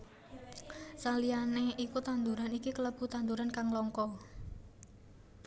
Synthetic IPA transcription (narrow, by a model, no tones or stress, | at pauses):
salianeikut̪and̪uɾanikikələb̥ṳt̪and̪uɾankaŋlɔŋkɔ